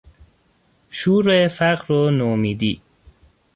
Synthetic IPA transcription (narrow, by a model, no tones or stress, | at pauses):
ʃuːɾefæqɾonoːmiːd̪iː